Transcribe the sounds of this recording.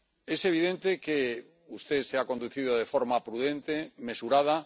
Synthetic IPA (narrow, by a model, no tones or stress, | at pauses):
eseβ̞iðent̪eke | ust̪eseakond̪uθið̞oðefoɾmapɾuðẽnt̪emesuɾað̞a